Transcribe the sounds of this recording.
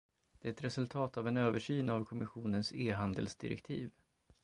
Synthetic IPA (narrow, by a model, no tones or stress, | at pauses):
d̪̥ɛæɾɛt̪ɾɛsɵlt̪ʰɑːt̪avɛnøːvəʂyːnavkʰɔmɪɧuːnənseːɦand̪ə̰lsd̪ɪ̰ɾɛ̰kt̪ʰḭːv